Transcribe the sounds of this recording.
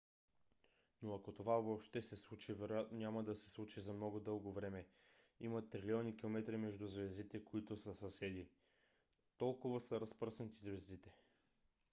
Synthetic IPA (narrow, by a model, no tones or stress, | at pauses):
noɐkot̪ovavopʃt̪ɛsɛslˠut͡ʃivɛɾojat̪nonʲamɐd̪ɐsɛ̥slˠut͡ʃizɐmnɔɡʊd̪ɤlˠɡovɾɛmɛimɐt̪ɾiliɔnikʲilˠomɛt̪ɾimɛʒd̪uzvɛzd̪it̪ɛkoit̪ʊsəsɐsɛd̪i | t̪ɔlˠkʊvəsəɾɐspɾsnt̪izvɛzd̪it̪ɛ